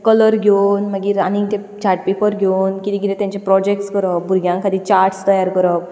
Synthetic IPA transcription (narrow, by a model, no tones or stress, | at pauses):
kɔlɔɾɡʱonməɡiɾanĩŋɡt̪e | t͡ɕaɾʈ̚pepəɾɡʱenkit̪iɡiɾẽt̪aɲt͡ɕepɾɔd͡ʑek̚ʈskəɾɔpbuɾɡjãŋkad̪it͡ɕaɾʈst̪əjaɾkəɾɔp̚